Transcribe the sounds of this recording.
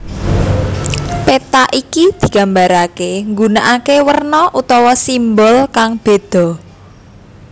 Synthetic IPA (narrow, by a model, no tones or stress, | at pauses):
pet̪aʔikid̪̥i̤ɡ̥a̤mbaɾakeŋɡunaʔakewərnɔʔut̪ɔwɔsimbɔlkaŋb̥e̤d̪̥ɔ̤